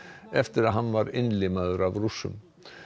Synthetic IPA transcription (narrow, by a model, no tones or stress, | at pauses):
ɛft̪ɪɾaðɦanːvaɾɪnːlɪmaðʏɾavrusːʏ̰m